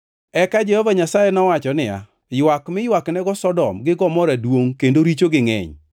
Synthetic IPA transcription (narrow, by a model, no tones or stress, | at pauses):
ɛkad͡ʒɛhɔvaɲasajɛnɔwat͡ʃɔnɪa̰ | jwakmɪjwaknɛɡɔsɔdɔmɡɪɡɔmɔɾadwoŋkendoɾit͡ʃoɡɪŋɛ̰ɲ